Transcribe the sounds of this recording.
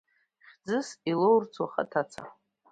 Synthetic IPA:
χʲd͡zɨsilowrt͡sʰwaχa̰tʰat͡sʰa̰

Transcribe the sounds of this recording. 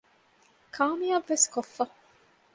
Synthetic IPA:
kʰaːmijɐʋːeskofːɐ

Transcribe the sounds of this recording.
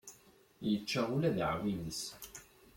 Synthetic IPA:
jət͡ʃːaulæðʕwinəs

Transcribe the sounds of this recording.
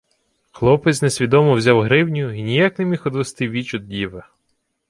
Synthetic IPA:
xlˠɔpɪt͡ssʲnesʲʋʲid̪ɔmɔwzʲawɦɾɪwnʲʊinʲijaknemʲixɔd̪ʋest̪ɪʋʲit͡ʃɔd̪̚dʲiʋɐ

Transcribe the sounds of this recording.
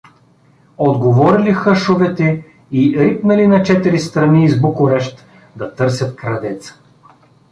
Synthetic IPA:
od̪ɡovɔɾilixəʃovɛt̪ɛ | iɾipnɐlinɐt͡ʃɛt̪iɾist̪ɾɐniːzbokʊɾɛʃt̪ | d̪ɐt̪ɤɾsʲɐt̪̚kɾɐd̪ɛt̪sə̥

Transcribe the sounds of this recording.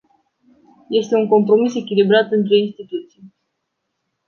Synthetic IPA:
je̞st̪e̞uŋko̞mpɾo̞mise̞kʲilibɾat̪ɨnt̪̬ɾe̞inst̪it̪ut̪sij

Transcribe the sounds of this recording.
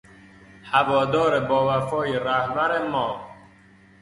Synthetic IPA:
hævɒːd̪ɒːɾebɒːvæfɒːjiɾæhbæɾemɒː

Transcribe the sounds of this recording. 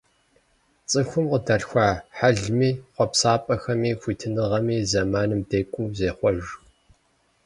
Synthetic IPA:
t͡sʼɨxʷʊmqədɐɬxʷaːħaɮmiːχʷɔpsaːpʼɐxɐmiːxʷiːtʰɨnɨʁɐmiːzɐmaːnɨmdeːkʷʼuːzeːχʷɔʒ

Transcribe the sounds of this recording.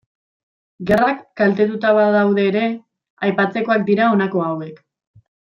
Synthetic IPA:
ɡe̞rakːalt̪e̞t̪ut̪aβaðawðe̞ːɾe̞ | ajpat͡se̞ko̞ak̚d̪iɾao̞nako̞awe̞k

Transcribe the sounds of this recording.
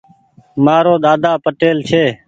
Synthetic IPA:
maːɾoːɗ̪aːd̪aːpəʈeːlt͡ʃʰeː

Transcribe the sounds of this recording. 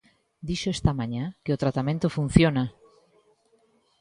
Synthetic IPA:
d̪iʃoest̪ɐmãɲãkeʊt̪ɾat̪amẽnt̪ʊfũn̟θjona

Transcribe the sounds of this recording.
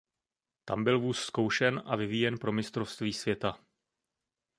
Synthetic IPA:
t̪ambɪlvuːsːko̞wʃɛnʔa̰vɪviːjɛnpɾo̞mɪst̪ɾo̞fst̪viːsvjɛt̪a

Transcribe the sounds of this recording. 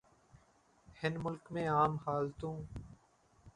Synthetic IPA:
hɪnmʊlkmẽːaːmhaːlt̪ũː

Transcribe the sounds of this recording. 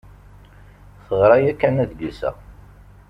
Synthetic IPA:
θəʁɾˤɑjækːænæðɡisæ̰

